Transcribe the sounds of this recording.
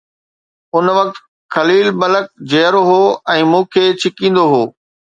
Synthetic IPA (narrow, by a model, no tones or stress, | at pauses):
ʊnʋɐk̚t̪ | kɐliːlbɐlək̚d͡ʑeːɾoɦoːɛ̃ːmũːkʰeːt͡ɕʰɪkĩːn̆d̪oɦoː